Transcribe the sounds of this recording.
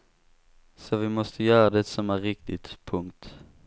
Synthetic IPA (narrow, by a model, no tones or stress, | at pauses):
sɔʋɪmɔst̪ʰəjœːɾəd̪ɛt̪sɔmæːɾɪk̚t̪ɪt̪pʰʊŋt̪